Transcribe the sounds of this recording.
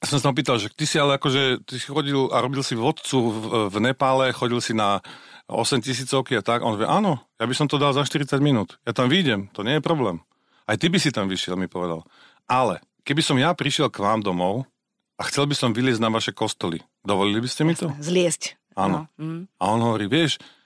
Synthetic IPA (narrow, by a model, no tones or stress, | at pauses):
jasɔmsaɦɔp̬iːt̪alʃakt̪isialɛakɔʒɛt̪isi̥xɔɟilaɾɔbilsiʋɔt̪t͡suvnɛpaːlɛxɔɟilsinaɔ̰sɛmcis̬iːt͡sɔʊkiat̪aɡʔɔ̰nɔʋjɛ̰ʔaːnɔjabisɔmt̪ɔd̪alzaʃt̪iɾit͡saɟminuːt̪jat̪amʋiːɟɛmt̪ɔɲɪɛjɛpɾɔblɛːm | ajt̪ibisit̪amʋiʃɪɛlmipɔʋɛd̪a̰l | ʔalɛ̰ | kɛbisɔmjapɾiʃɪɛlkʋaːmd̪ɔmɔʊ | axt͡sɛlbisɔmʋilɪɛzɟnaʋaʃɛkɔst̪ɔlḭ | d̪ɔʋɔlilibiscɛmit̪ɔzlɪɛsc | anɔa̰ɔnɦɔʋɔɾiːʋɪɛʃ